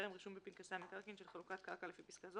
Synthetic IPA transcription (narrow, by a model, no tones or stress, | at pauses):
ʁemʁiʃumbepinkasamekaʁkinʃelχalukat̪kaʁkalefipiskazo